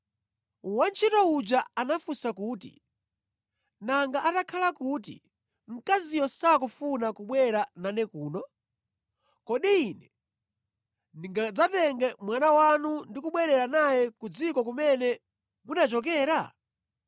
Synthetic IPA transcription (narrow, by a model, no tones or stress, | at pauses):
want͡ʃʰitɔud͡ʒaanafusakuːtḭ | naŋɡaʔatakʰalakuːt̬ḭ | m̩kazijɔsakufunakuɓwɛɾananɛkuːnɔ | kɔɗiːnɛ | niŋɡad͡zatɛŋɡɛmwanawanundikuɓwɛɾɛɾanajɛkud͡zikɔk̬umɛnɛ | munat͡ʃɔk̬ɛːɾa